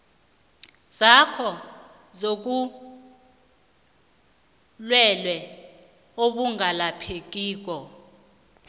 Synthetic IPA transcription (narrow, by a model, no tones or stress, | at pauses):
zakʰɔ | zok̬ʼu | lwɛlwɛ | oɓuŋalapʰek̬ʼiːk̬ʼɔ